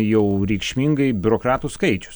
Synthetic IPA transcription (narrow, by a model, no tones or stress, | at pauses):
jɛʊɾʲɛɪkʃʲmʲiŋɡɐɪbʲʊɾoːkɾɑːt̪uskɐɪt͡ʃʲʊ̥s